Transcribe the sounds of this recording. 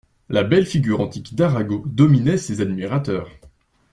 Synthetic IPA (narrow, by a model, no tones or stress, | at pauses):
labɛlfiɡʲyʁɑ̃t̪ikd̪aʁaɡod̪ɔminɛsezad̪miʁat̪œːʁ